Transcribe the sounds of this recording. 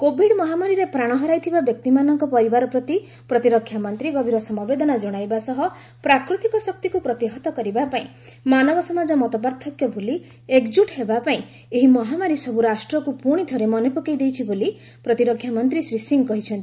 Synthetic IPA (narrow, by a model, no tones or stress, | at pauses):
kobʱiɽmɔɦamaɾiɾepɾaɽ̃ɔɦɔɾajt̪ʰibabjɔk̚t̪imanɔŋkɔpɔɾibaɾɔpɾɔt̪i | pɾɔt̪iɾɔkʰːjamɔnt̪ɾiɡɔbʱiɾɔsɔmɔbed̪ɔnad͡ʒɔɽ̃ajbasɔɦɔ | pɾakɾut̪ikɔsɔk̚t̪ikupɾɔt̪iɦɔt̪ɔkɔɾibapaĩ | manɔbɔsɔmad͡ʒɔmɔt̪ɔbaɾt̪ʰɔkjɔbʱoli | ekd͡ʒuʈɦebapaĩ | eɦimɔɦamaɾisɔbuɾasʈɾɔkupuɽ̃it̪ʰɔɾemɔnepukejd̪ejt͡ʃʰiboli | pɾɔt̪iɾɔkʰjamɔnt̪ɾisɾisiŋkɔɦit͡ʃʰɔnt̪i̥